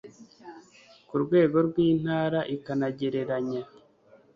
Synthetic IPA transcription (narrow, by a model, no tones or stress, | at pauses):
kuɾɡwe̞ːɡo̞ɾɡwiːn̥haːɾaʔikanaɟe̞ɾe̞ɾaɲa